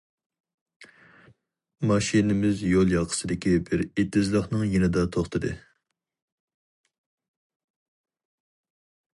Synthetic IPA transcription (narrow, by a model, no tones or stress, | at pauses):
mɑʃinɪmɪzjolˠjɑqʰə̥sɨd̪ɪkʲibɪɾet̪ːɪzlˠəχnɨŋjenɪd̪ɑt̪ʰoχt̪ʰɨd̪ɨ̰